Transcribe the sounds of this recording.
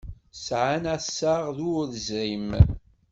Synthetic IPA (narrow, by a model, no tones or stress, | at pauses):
sʕanæsaʁðuðəzʕim